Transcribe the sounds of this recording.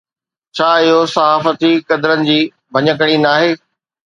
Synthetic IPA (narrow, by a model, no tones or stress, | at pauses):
t͡ɕʰaːɪɦosɐɦaːfət̪ikɐd̪əɾənɪ̆d͡ʑiː | bʱɐɲək̬əɽ̃inaːɦeː